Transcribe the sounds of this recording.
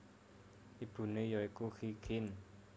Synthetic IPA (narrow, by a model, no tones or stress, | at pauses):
ʔib̥ṳnejɔikuxikʰɪn